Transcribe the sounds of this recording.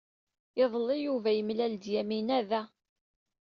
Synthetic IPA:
ɪðˤlːijuvæjəmlæld̪jæminæðæ

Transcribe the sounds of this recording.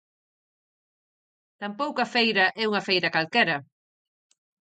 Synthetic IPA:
t̪ampowkɐfejɾɐʔɛuŋɐfejɾɐkalkɛɾɐ

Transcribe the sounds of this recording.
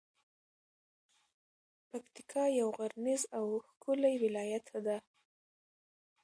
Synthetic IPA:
pakt̪i̥kʰɑjawɣaɾnɪzawxkʰulajwɪlɑjat̪ʰad̪a

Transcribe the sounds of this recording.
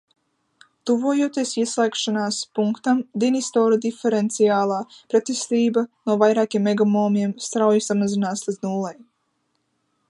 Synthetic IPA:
t̪uvuːjuɔt̪iɛsiɛslˠɛkʃanaːspuŋkt̪amd̪inist̪ɔːɾud̪ifeɾent̪sijaːlˠaːpɾɛt̪ist̪iːbanuɔvajɾaːkʲiɛmːɛɡɔmoːmʲiɛmst̪ɾawjusamazinaːslˠinuːlˠaj

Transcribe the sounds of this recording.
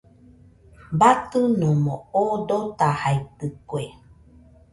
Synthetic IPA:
bat̪ɨnõmõod̪ot̪ahajt̪ɨkwe

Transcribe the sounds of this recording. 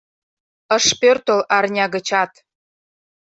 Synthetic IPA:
ə̆ʃpørt̪olɑrnʲɑɡə̆t͡ɕɑt̪

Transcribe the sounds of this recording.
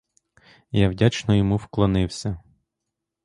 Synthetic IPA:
jawdʲat͡ʃnɔjɔmuwklˠɔnɪwsʲɐ

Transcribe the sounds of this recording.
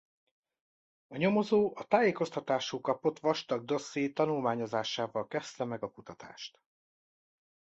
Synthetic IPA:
ɒɲo̞mo̞zoːʔɒt̪aːjeːko̞st̪ɒt̪aːʃuːkɒpo̞t̪ʋɒʃt̪ɒɡ̚d̪o̞sːieːt̪ɒnulmaːɲo̞zaːʃaːvɒlkɛst̪ɛmɛɡɒkut̪ɒt̪a̰ːʃt̪

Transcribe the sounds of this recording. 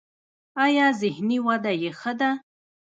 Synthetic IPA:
ajɑzɪhniwad̪ajexəd̪a

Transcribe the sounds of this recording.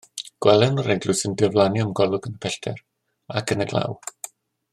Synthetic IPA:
ɡ̥wɛlˠɛnɔreɡlˠʊsɪndɪɔvlˠanjɔmɡɔlˠʊɡənəpʰɛɬtʰɛr | akʰənəɡlˠa̰w

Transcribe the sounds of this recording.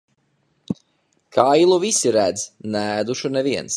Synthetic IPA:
kʰaːilˠuvisiɾæd̪znɛæd̪uʃunɛviɛns

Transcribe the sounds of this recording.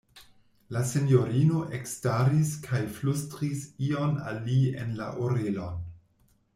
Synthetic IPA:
lase̞njo̞ɾino̞ʔekstaɾiskʰajflustɾisiona̰liḛnla̰ʔoɾelo̞n

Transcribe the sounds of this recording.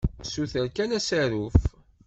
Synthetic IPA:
suθəɾkænæsæɾuf

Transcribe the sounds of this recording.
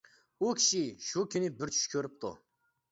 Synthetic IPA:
ukʲʰi̥ʃiʃukʲʰynɪbɪɾt͡ʃʰy̥ʃkʲʰøɾyp̚t̪ʰṵ

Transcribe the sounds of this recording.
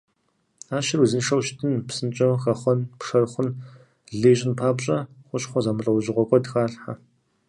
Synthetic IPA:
aːʃɪruzɨnʂɐwʃtʰɨnpsɨnt͡ʃʼɐwxɐχʷɔnpʂɐrχʷʊn | ɮeːɕʼɪnpʰaːpɕʼɐχʷʊɕʼχʷɔzaːmɨɬʼɐwɕʼɪʁʷɔkʷʰʼɔdxaːɬħa̰

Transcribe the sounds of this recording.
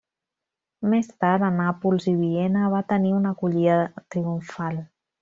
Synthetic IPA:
mest̪aɾɾanapulziβiɛnəβ̞at̪əniunəkuʎiðət̪ɾiuɱfal

